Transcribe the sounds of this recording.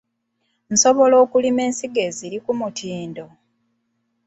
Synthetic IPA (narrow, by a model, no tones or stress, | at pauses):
n̩so̞βo̞lo̞ːkulime̞ːnsiɡe̞ziɾikumutʰiːndo̞